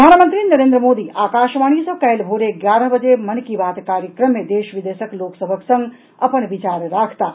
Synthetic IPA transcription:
aːnmə̃nt̪ɾinɐɾẽːnd̪ɾəmoːd̪iaːkaːʃʋaːɽ̃isɔ̃kɛːlbʱoːɾeɡjaːɾəɦbəd͡ʒemɐnkiʋaːt̪kaːɾjəkɾəmːẽd̪eːʃʋɪd̪eːʃəkloːksəbʱəksɐ̃ŋɡ | ɐpənʋɪt͡ʃaːɾɾaːkʰt̪aː

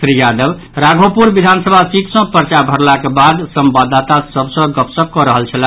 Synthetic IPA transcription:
sɾijad̪əb | ɾaɡʱopuɾbid̪ʱansəbʱasit̪sʌ̃pəɾt͡ʃabʱəɾlakebad̪səmbad̪at̪asəbsə̃ɡəpsəb̚kɔɾəɦəlt͡ʃʰəla

